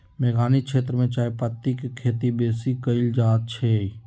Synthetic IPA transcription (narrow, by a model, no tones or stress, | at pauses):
meːɡaːnikʃeːt̪ɾəmẽt͡ʃaːjpət̪ːikekʰːeːt̪ibeːsikəɪld͡ʒaːt̪̚t͡ʃʰe